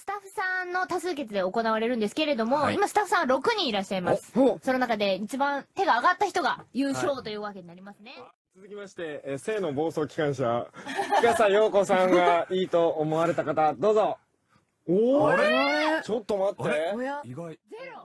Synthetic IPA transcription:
sɨ̥t̪aɸɯ̟̥sãnːo̞t̪asɨːk̬e̞t͡sɨd̪e̞o̞ko̞naβaɾe̞ɾɯ̟̃nd̪esɨ̥ke̞ɾe̞d̪o̞mo̞imasɨ̥t̪aɸɯ̟sãaɾo̞kɯ̟ɲ̟ĩiɾaɕːaimasɨ̥sononakad̪e̞it͡ɕibãnt̪e̞ɡaːɡat̪ːaçi̥t̪o̞ɡajɯːɕo̞ːt̪o̞jɯːβake̞ɲ̟inaɾʲimasɨne̞ | t͡sɨzɨkʲimaɕi̥t̪e̞se̞ːno̞bo̞ːso̞ːkʲi̥kãɰ̃ɕakasajo̞ːko̞sãŋɡaiːt̪o̞ːmo̞βaɾe̞t̪akat̪ad̪o̞ːzo̞ | o | t͡ɕot̪ːo̞mat̪ːe

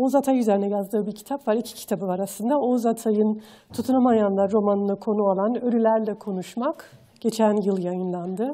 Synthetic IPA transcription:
ozat̪ʰajyze̞ɾinɛjazd̪ɯːbiɾcʰi̥t̪ʰapvaɾicʰi̥cʰi̥t̪ʰabɯvaɾasɯnd̪aozat̪ʰajɯn | t̪ʰut̪ʰunumajanlˠaɾɾo̞manɯnɯkʰo̞nuolˠanøɾylʲæɾlʲɛkʰo̞nuʃmak | ɟ̥e̞t͡ʃʰænjɯlˠjajɯnlˠand̪ɯ

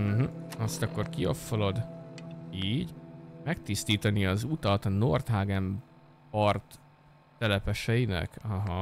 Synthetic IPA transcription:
ɦ̩ɒst̪ɒkːo̞rkio̞̰fːolo̞d̪ | iːɟmɛk̚t̪ist̪iːt̪ɒniɒzut̪ɒt̪no̞rt̪ɦaːɡɛm | pɒrt̪ː | ɛlɛpɛʃɛjinɛ̰kɒɦɒ

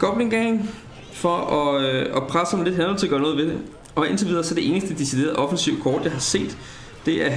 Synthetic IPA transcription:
kʰɒ̽b̥le̝ŋɡ̥eŋ | fɒ̽ɒɒ̽pʰʁasəɒ̽mle̝d̥ɦænɒnt͡sʰe̝ɡ̥ɶɐnɔ̽ːð̞̩ˠʋe̝d̥e | ɒ̽e̝nt͡sʰeʋið̞ˠɐːsɒd̥e̝e̝ːnəsd̥əd̥eside̝ːɐð̩ˠʔɒ̽fn̩siʊ̰kʰɒːd̥jɑ̈ɪɦɑ̈se̝̰ːd̥ː | e̝æɐ

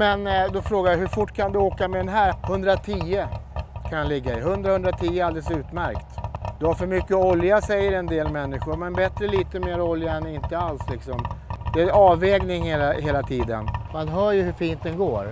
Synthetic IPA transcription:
mɛnd̪ɔfɾoːɡajaɦɵɾfʊʈːkʰand̪ɵoːkamɛd̪ɛnɦæːɾhɵnd̪ɾat̪ʰiːəkʰanlɪɡːaɪɦɵnd̪ɾahɵnd̪ɾat̪ʰiːəald̪ɛləsʉ̟ːt̪mæɾkt̪d̪̥ɛhaɾfœɾmʏkːəɔljasɛjːəɾɛnd̪eːlmɛnːɪɧʊɾmɛnbɛt̪ɾəliːt̪əmeːɾɔljaɛnɪnt̪əalslɪksɔmd̪ɛæɑːvɛːɡnɪŋheːlaɦeːlat̪ʰiːd̪ə̰nmanɦœːɾjɵhɵfiːnt̪̚d̪ɛnɡoːɾ

